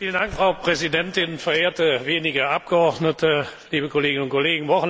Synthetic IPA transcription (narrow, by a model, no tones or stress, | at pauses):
fiːləndaŋkfʁ̥aʊpʁ̥ɛzidɛntɪnfɛɐeːɐtəveːnɪɡɐʔap̚ɡ̥əɔʁdnətəliːbəkʰoleːɡɪnʊntkʰoleːɡŋ̩vɔχn̩